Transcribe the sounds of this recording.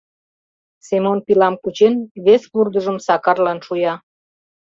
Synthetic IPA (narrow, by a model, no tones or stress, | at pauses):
semonpilɑmkut͡ɕenβespurd̪əʒəmsɑkɑrlɑnʃujɑ